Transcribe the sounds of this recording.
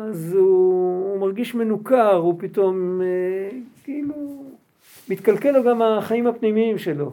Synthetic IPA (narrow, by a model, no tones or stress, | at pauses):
azuːmaʁɡiʃme̞nukaʁupit̪o̞mekiilu | mit̪kalkeloɡamaχaimhapnimiimʃe̞lo̞